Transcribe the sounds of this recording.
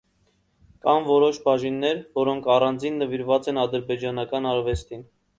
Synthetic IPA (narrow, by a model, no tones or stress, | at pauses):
kɑmvɔɾɔʃbɑʒinːɛɾvɔɾɔŋkʰɑrɑnd͡zinːəviɾvɑt͡sɛnɑd̪əɾbɛd͡ʒɑnɑkɑnɑɾvɛst̪in